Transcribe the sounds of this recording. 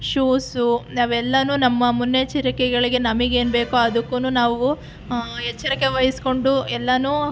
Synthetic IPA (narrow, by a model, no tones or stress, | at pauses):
ʃuːsunaʋɛlːɐnuːnɐmːɐmunːet͡ʃiɾɐkɛɡɐɭiɡe̞nɐmiɡe̞ːnbe̞ːkuɐd̪ɐkːunuːnaːʋu | ɛt͡ʃːɐɾɐkːeʋɐjisko̞ɳɖuɛlːɐnuː